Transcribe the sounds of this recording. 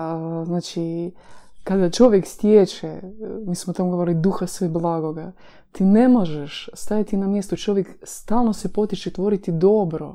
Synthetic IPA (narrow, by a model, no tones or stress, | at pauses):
znaːt͡ʃi | kad̪at͡ʃo̞ʋjekst̪jet͡ʃɛmiːsmot̪amoɡooɾilid̪uxasʋeblˠaːɡo̞ɡa | t̪iːne̞mo̞ʒeʃst̪ajat̪inamjest̪ot͡ʃo̞ʋjekst̪aːlˠno̞sepo̞t̪it͡ʃet̪ʋo̞ɾit̪id̪o̞bɾo̞̰